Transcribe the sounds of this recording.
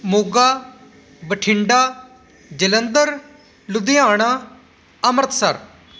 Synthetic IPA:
moːɡaː | bəʈʰɪɳɖaː | d͡ʒələnd̪əɾ | lʊd̪ɪaːɽ̃aː | əməɾt̪ʰsəɾ

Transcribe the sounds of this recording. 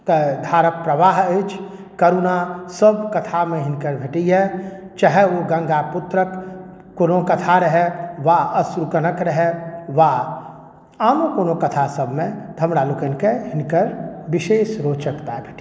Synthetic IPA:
t̪əd̪ʱaːɾək̚pɾəʋaːɦət͡ʃʰ | kəɾuːnasəb̚kɐt̪ʰamẽɦɪnkəɾbʱeʈiɦɛ | t͡ʃaɦɛoɡə̃ŋɡapʊt̪ɾəkː | oːnõkɐt̪ʰaɾəɦɛʋaəsɾukənəkɾəɦɛʋa | aːnokoːnõkət̪ʰasəbʱmẽd̪ʱəmɽalukənkeɦɪnkəɾbɪʃeːʃɾoːt͡ʃəkt̪abʱeʈi

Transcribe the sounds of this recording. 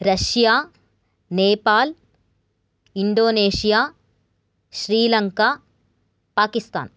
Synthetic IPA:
ɾɐʃjaː | neːpaːl | iɳɖoːneːʃijaː | ʃɾiːlɐŋkaː | paːkist̪a̰ːn

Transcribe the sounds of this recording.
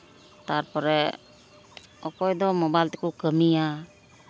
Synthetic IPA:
t̪aɾpɔɾɛ | ɔkɔjd̪ɔmɔbajlt̪ɛkukəmija

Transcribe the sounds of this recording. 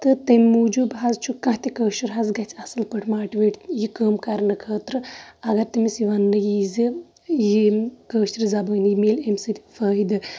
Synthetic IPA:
t̪ɨt̪emʲːuːd͡ʒubɦazt͡ʃʰukɐ̃ɦt̪ikəːʃuɾɦazɡɐt͡ʃʰɐsɨlpəʈʰmaːʈʋeʈjikəːmkaɾnɨkʰəːt̪ɾɨɐɡɐɾt̪imisiʋɐnːɨjizɨ | jikəːʃiɾzɐbɐːnijimeːlemsɨt̪ʲi̥fəːid̪ɨ

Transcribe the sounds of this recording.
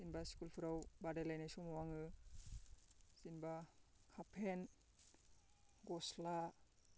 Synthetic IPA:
z̥inbasi̥kulpʰɯɾawbadalajnajsɔmɔwaŋɯ | zinba | kʰapʰen | ɡɔsla

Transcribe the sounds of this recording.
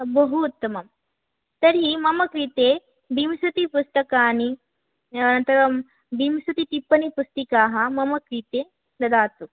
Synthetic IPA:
bɐɦut̪ːɐmɐm | t̪ɐɾimɐmɐkɾiːt̪e | bimsɐt̪ipust̪ɐkaːni | ɐnɐnt̪ɐɾɐm | bimsɐt̪it̪ipːɐnipust̪ikaːɦɐmɐmɐkɾiːt̪e | d̪ɐd̪aːt̪u

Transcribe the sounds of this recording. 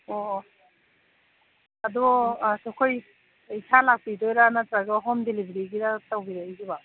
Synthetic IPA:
ɔ | adɔsɔkʰɔj | isalak̚pidɔjɾanatɾaɡɯɦɔmdelibɾiɡiɾatawɡiɾaizuba

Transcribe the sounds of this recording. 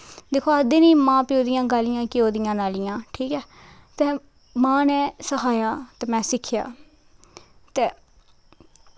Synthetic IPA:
d̪eːkʰoːəd̪eːniːmãːpɪoːd̪ɪjãːɡaːlɪjãːkɪoːd̪ɪjãːnaːlɪjãːʈʰiːkɛː | t̪ɛː | mãːnɛ̃ːsəɦaːjaːt̪ɛːmɛ̃ːsɪkʰːja̰ː | t̪eː

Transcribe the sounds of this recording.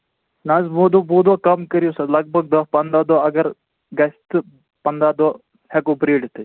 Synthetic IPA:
nɐ̃ːzbuːd̪obuːd̪okɐmkɐɾijusɐd̪lɐɡ̚bʱɐɡ̚d̪ɐpɐnd̪aːd̪oːɐɡɐɾ | ɡɐst̪ɨ | pɐnd̪aːd̪oː | hekobɾiːɖt̪ɨ

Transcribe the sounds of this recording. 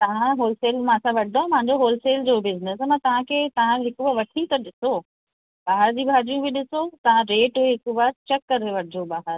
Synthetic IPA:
t̪ɐʋ̤ãɦoːlseːlmãsãʋɐʈʰɪd̪õmpãɲ̆d͡ʑoɦoːlseːld͡ʑoːbɪznəsmɐ̃t̪ɐʋ̤ãkʰeːt̪ɐʋ̤ãɦɪkubaːɾʋɐʈʰit̪ɐɗɪso | ɓaːɦəɾd͡ʑiːbʱaːɾijũbʱĩɗɪsot̪ɐʋ̤ãɾeːʈeɦɪkubaɾt͡ɕɛkːɐɾeʋɐʈʰɪd͡ʑoɓaːɦəɾ

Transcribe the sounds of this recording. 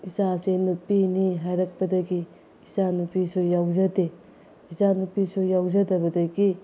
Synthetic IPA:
isasenupiniɦajɾɐk̚pɐdɐɡiː | sanupisujawzɐde | isanupisujawzɐdɐbɐdɐɡi

